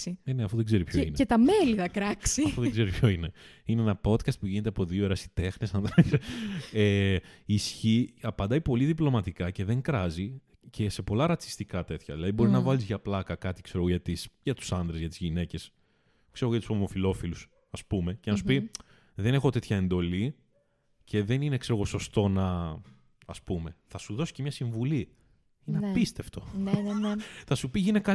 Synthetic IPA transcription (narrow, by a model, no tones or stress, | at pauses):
ieneɐfoðeɡze̞ɾipçoineet̪ɐmeliθɐkɾɐksiɐfoðeɡze̞ɾipʰço̞ineineenɐpo̞d̪kɐst̪̚puʝinet̪eɐpo̞ðioeɾɐsi̥t̪e̞xnesɐnðɾes | eisçiɐpɐnd̪ɐipo̞liðiplo̞mɐt̪ikɐce̞ðe̞ŋkɾɐzi | cʰe̞se̞po̞lɐɾɐt͡si̥st̪ikɐt̪e̞t̪çɐðilɐðibo̞ɾiznɐvɐlizʝɐplɐkɐkɐt̪i̥kseoɣoʝɐt̪isʝɐt̪u̥sɐnðɾezʝɐt̪izʝine̞ce̞s | kseɾɣojɐt̪u̥somo̞filo̞filus | ɐspume̞cenɐsu̥pi | ðe̞ne̞xo̞t̪e̞t̪çɐend̪o̞li | cʰe̞ðe̞nine̞kse̞ɾoɣo̞so̞st̪o̞nɐ | ɐspume̞θɐsuðosi̥cemɲɐsiɱvuli | inɐpist̪e̞ft̪o̞nθɐsupiʝinekɐ